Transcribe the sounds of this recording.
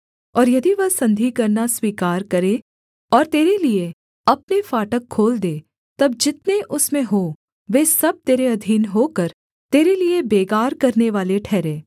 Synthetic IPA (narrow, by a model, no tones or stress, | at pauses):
ɔːɾjɐd̪iʋɐɦsɐ̃nd̪ʱikɐɾnaswiːkaːɾkɐɾẽː | ɔːɾt̪eːɾelie | ɐpnefaːʈəkʰːoːld̪eː | t̪ɐb̚d͡ʒɪt̪neʔʊsmẽɦoː | ʋeːsɐb̚t̪eːɾeɐd̪ʱiːnɦoːkɐɾ | t̪eːɾeliebeːɡaːɾkɐɾneʋaːleʈʰɛːɾẽː